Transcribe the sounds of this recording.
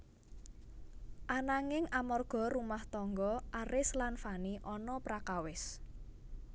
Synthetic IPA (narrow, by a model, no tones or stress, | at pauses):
ʔanaŋɪŋamɔrɡ̥ɔ̤ɾumaht̪ɔŋɡɔʔaɾɪslanfaniʔɔnɔpɾakawɪs